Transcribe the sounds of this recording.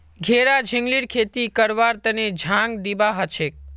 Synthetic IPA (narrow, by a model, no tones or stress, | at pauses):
ɡʱeɾad͡ʒʱəŋɡliɾkʰet̪ikəɾʋaɾt̪əned͡ʒʱãŋɡd̪ibaɦət͡ʃʰek̚